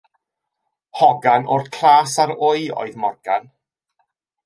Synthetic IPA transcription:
hɔɡanʔʊrkʰraːsaɾʊɨɔ̰ɨðmɔrɡ̥a̰n

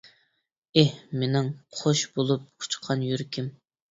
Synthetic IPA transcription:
ehmenɪŋqʰoʃbolˠup̚kʰu̥t͡ʃqʰɑnjyɾkʲʰim

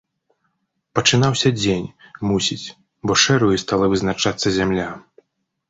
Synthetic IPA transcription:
pɐt͡ʂɨnawsʲɐd͡zʲenʲmusʲit͡sʲ | bɔʂɛɾujist̪alˠɐvɨznat͡ʂat̪sːɐzʲamlʲa

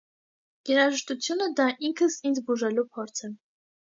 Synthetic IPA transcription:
ɡ̥ɛɾɑʒəʃt̪ut͡sʰjunəd̪ɑʔiŋkʰəsind͡zbuʒɛlupʰɔɾt͡sʰɛ

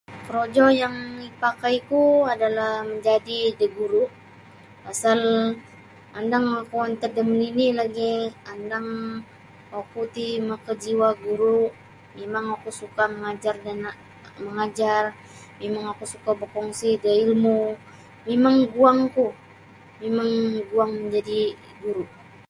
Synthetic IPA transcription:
kəɾod͡ʒɔjaŋipakajkuadalahməɲd͡ʒadidəɡuɾuʔ | asal | andaŋakuant̪ədəmninilaɡiandaŋ | akut̪iməkəd͡ʒiwaɡuɾu | memaŋakusukaməŋad͡ʒardan | məŋad͡ʒar | memaŋakusukabəkɔŋsidəilmu | memaŋɡuaŋku | memaŋɡuaŋməɲd͡ʒadi | ɡuɾuʔ

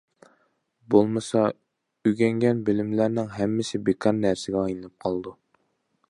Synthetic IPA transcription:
bolˠmɤsɑ | yɡʲæŋɡʲænbɪlɪmlæɾnɪŋɦæmːɪsɪbekʰɑɾnæɾsɪɡʲɛɑjnɨlɨp̚qʰɑlˠd̪u

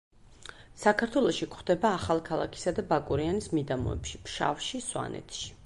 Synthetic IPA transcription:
sakʰaɾt̪ʰwɛlˠɔʃikʰχd̪ɛbaːχalˠkʰalˠa̰kʰi̥sad̪abakʼuɾianismid̪amɔ̰ɛ̰pʃipʰʃa̰fʃiswa̰nɛ̰t̪ʰʃi̥

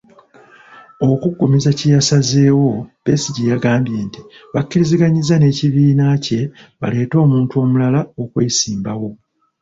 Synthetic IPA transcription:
o̞kuɡːumizacijasaze̞ːwo̞pe̞siɟijaɡaːmbje̞ːntiβakːiɾiziɡaɲizane̞ːciβiːnace̞βa̰le̞ːto̞ːmuːntuo̞ːmulalaokweːsiːmbawo̞

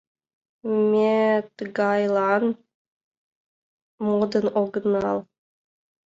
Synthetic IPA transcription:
mʲet̪ɨɡɑjlˠɑn | mod̪ənoɡnɑlˠ

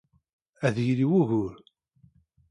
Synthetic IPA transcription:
æðjliwuʝʊɾ

